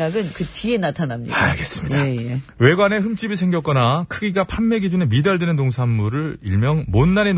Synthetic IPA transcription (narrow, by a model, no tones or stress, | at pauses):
aɡɯnkɯt͡ɕie̞natʰanamɲḭaɡe̞s͈ɯ̥mɲiaeje | we̞ɡwane̞ɦɯmt͡ɕ͈ibisʰe̞ŋɡjʌk͈ʌnakʰɯɡiɡapʰamːe̞ɡid͡ʑunemidaɭdenɯntoŋsʰamːuɾɯɭiɭmjʌŋmonːane